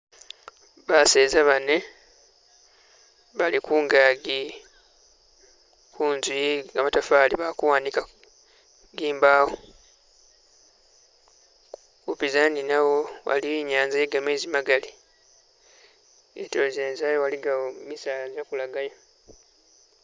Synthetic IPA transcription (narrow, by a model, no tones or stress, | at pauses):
βaseːzaβane | βalikuːŋɡaːɡi | kuːnzwiɡamatafaːliβakuwaːnika | ɡiːmbaːwo | kupizaninawo̞wa̰liiɲaːnzajeɡameːzimaɡali | ḛtozeːnzajowaliɡawomisaːlazakulaɡajo